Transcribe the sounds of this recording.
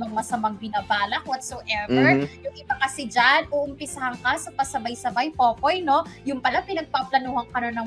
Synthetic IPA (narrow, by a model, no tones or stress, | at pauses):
mɐŋmɐsɐmɐŋbɪnaːbaːlɐkwɔt̪sowʔɛvɛɹjʊŋʔɪbɐkɐsɪd͡ʒanʔuːʔʊmpɪsɐhɐŋkɐsɐpɐsɐbajsɐbajpoːko̞jno̞jʊŋpɐlapɪnɐɡ̚paplɐnuːhɐŋkɐnonɐ